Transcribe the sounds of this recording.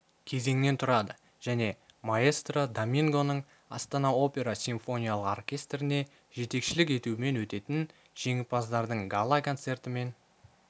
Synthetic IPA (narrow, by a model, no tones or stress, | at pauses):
kʲʰe̞ze̞ŋne̞nt̪ʰʊɾɑd̪ə | ʒ̥æne̞mae̞st̪rod̪omʲiŋɡo̞nəɴ | ɑ̰st̪ɑnɑo̞pʲe̞ɾasʲiɱfo̞nʲijalˠəqo̰rkʲe̞st̪ɾɪne̞ | ʒe̞t̪e̞kʃɪlɪke̞t̪uɪme̞nwɵt̪e̞t̪ɪn | ʒ̥e̞ŋɪpɑzd̪ɑɾd̪əɴɡalˠakʰo̞nt̪se̞rt̪ɪme̞n